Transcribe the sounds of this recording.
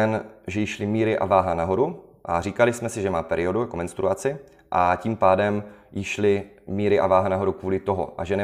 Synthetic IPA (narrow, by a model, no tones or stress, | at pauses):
ɛnʒɛjɪʃlɪmiːɾɪʔa̰vaːɦanaɦo̞ɾuʔariːkalɪsmɛsɪʒɛmaːpɛɾʔɪo̞dujakomɛnst̪ɾuat͡sɪ | ʔaciːmpaːdɛmjɪʃlɪ | miːɾɪʔa̰vaːɦanaɦo̞ɾukvuːlɪt̪o̞ɦo̰ʔa̰ʒɛnɛ